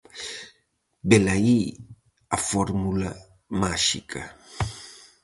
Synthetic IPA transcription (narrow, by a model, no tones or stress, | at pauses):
belai | afɔɾmula | maʃikʰa